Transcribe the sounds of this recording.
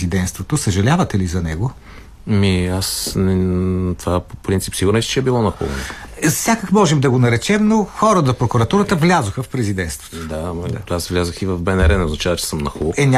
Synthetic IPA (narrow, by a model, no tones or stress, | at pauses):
zid̪ɛnst̪vot̪osɐʒɐlʲavət̪ɛlizɐnɛ̰ɡo | miasnɛt̪ovapopɾintsi̥psiɡʊɾnɛʃt̪t͡ʃɛɛbilˠɔnɐxṵlˠɐ̰no̰sʲakəkmɔʒɛmd̪ɐɡonɐɾɛt͡ʃɛmnoxɔɾəd̪ɐpɾokuɾɐt̪uɾət̪əvlʲazoxəfpɾɛzid̪ɛnst̪vo̥t̪od̪aasvlʲazəxivɐvbɛnɛɾɛnɛoznɐt͡ʃavət͡ʃɛ̥səmnɐxuɛnʲa